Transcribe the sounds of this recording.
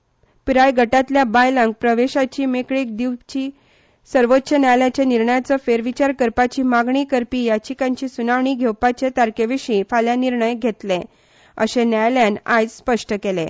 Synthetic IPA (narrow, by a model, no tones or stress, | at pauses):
piɾajɡʱəʈat̪ljabajlãŋɡ̚pɾəʋeɕat͡ɕiːmekɭik̚d̪iwt͡ɕiː | səɾʋot̪ːɕənjajljat͡ɕeniɾɳəjat͡səfeɾʋit͡ɕaɾkəɾpat͡ɕiːmaɡɳikəɾpiːjat͡ɕikãɲt͡ɕiːsunaʋɳiːɡʱewpat͡ɕet̪aɾkeʋiɕĩfaljaniɾɳəjɡʱet̪le | ə̰ɕenajljanajd͡zspəʂʈəkele